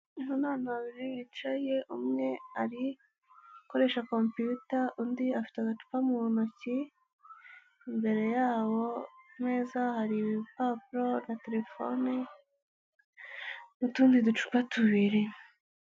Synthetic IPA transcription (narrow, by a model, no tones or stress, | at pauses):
iɦunaːnaaβiɾiβit͡ʃaje̞ʔumŋe̞aɾi | ko̞ɾe̞ʃakompiutaundiafi̥taɡat͡ʃu̥pamuβonoci | mbe̞ɾe̞jaːβo̞mŋeːzahaɾipapɾo̞nate̞ɾefone | mutuːndidut͡ʃu̥kpatuβiɾi